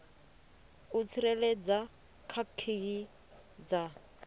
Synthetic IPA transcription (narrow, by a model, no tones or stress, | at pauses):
ut͡sʰiɾɛlɛd͡za | kʰakʰːiɡi | d͡za